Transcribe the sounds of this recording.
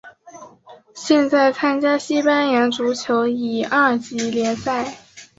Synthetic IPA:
ɕjɛ˥˧nt͡sa˥˩ɪt͡sʰa˥nt͡ɕja˥ɕi˥pa˥njɛ˧˥nʈ͡ʂu˧˥t͡ɕʰjo˧˥ʊi˨˩a˥˩t͡ɕi˧˥ljɛ˧˥nsa˥˩ɪ

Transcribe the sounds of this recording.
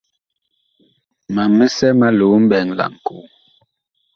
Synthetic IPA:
ma˨mə˦sɛ˦ma˦lo˨˦m̩˦bɛ˨ŋla̰˨ŋ˨ko̰˨˦

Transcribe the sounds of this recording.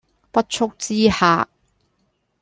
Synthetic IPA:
pɐ˥t̚t͡ʃʰʊ˥k̚t͡siː˥ha̰ː˧˩

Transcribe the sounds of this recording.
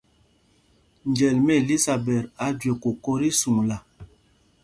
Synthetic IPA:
nd͡ʒɛ˨lmɛ˦˨li˦sa˨bɛ˨ɾa˨˦dɥe˨ko˨kɔ˦ɾi˦su˨ŋla˨

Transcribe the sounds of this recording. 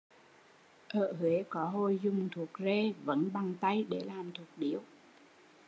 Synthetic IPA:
ʔəː˧˨hwe˨˦kɔ˨˦ɦo˧˩jzʊ˨˩ŋ͡mt̪ʰu˨˩ək̚ze˧˩və̰˧˦˥nɓa˨˩ŋt̪a˧jɗe˧˩laː˨˩mt̪ʰu˨˩ək̚ɗi˨˦əw

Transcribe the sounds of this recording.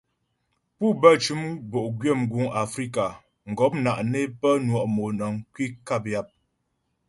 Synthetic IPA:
pu˦bə˦t͡ʃu˨˦mbo˨ʔɡɥe˦˨mɡu˨˦ŋa˨fɾi˦ka˨ | ŋ̩˨ɡɔ˨˦p̚na˨ʔne˦pə˦nwɔ˨ʔmo˨nə˨ŋ˦kwi˦ka˦˨p̬̚ja˦˨p̚

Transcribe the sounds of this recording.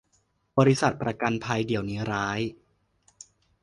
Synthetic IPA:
bɔː˧ɾi˧sa˨˩t̪̚pɾa˧ka˧npʰa˧jdi˩˦əwniː˦˥ɾaː˦˥j

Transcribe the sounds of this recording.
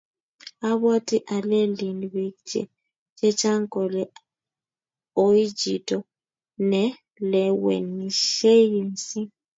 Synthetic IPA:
a˦βo˦tʼi˦ʔa˨le˦li˨nβi˨kd͡ʒɛ̰˨ | t͡ʃʼɛ˦t͡ʃʼa˦ŋkʼɔ˨lɛ˨ | o˦i˦d͡ʒi˨tʼɔ˨ | nɛ˦ | lɛ˨wɛ̰˨ni˨ʃe˦ji˦˨nsi˦

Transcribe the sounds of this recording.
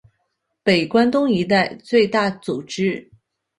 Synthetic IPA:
pe˨˩ɪkwa˥nt̪ʊ˥ŋi˧˥t̪̬a˥˧ɪt͡swe˥˧ɪt̪a˥˩t͡su˨˩ʈ͡ʂɻ̩˥

